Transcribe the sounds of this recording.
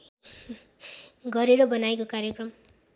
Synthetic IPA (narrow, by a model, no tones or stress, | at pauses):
ɡʌɾeɾʌbʌnajkokaɾjʌkrʌm